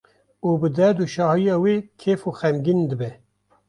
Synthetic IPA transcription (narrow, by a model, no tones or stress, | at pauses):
uːbɨd̪ɛd̪uʃɑːhijɑːweːkʰeːfuːxɛmɡind̪ɨbɛ